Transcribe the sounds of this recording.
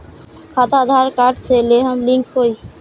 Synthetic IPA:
kʰat̪ad̪ʱaɾkaʈt͡ɕʰeleɦəmliŋkɦoj

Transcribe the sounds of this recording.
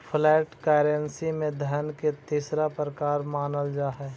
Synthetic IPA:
pʰlɛːʈkɛːɾensimẽd̪ʱənket̪iːsɾapɾəkaːɾmaːnəld͡ʒaːɦɛː

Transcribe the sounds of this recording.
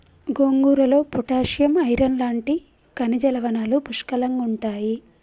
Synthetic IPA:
ɡoŋɡuːɾɐlo̞ːpuʈaːʂjɐmɐjɾɐnlaːɳʈi | kɐnid͡ʒɐlɐʋɐnaːlupuʂkɐlɐŋɡuɳʈaːji

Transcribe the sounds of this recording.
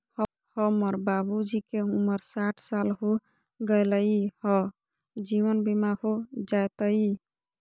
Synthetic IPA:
h | həməɾbabud͡ʒikeuməɾsaʈʰsalɦo | ɡəjləihɔ | d͡ʒiʋənbimahod͡ʒajt̪əi

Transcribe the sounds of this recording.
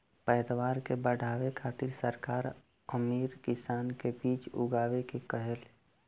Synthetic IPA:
pɛːd̪ʋaːɾkebəɽ̤ʱaːʋekʰaːt̪ɪɾsəɾkaːɾ | əmiːɾkɪsaːnkebiːt͡ʃʊ̰ɡaːʋekekəɦel

